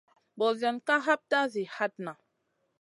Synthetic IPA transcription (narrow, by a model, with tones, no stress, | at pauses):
bɔ˨zja˨nka˦ɦa˦p̚ta˦zi˨ha˦t̚na˨